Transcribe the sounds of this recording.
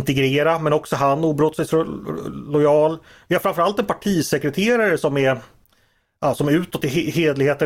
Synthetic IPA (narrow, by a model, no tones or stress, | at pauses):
nt̪ɛɡɾeːɾamɛnɔksɔɦanːuːbɾɔt̪ːsɛjsɔlɔjɑːl | vɪhaɾfɾamfœɾalt̪ɛnpʰaʈʰiːsɛkɾɛt̪ʰeːɾaɾəsɔmɛ | ɑːsɔmʉ̟ːt̪ɔt̪ːɪheːd̪lɪɡheːt̪ə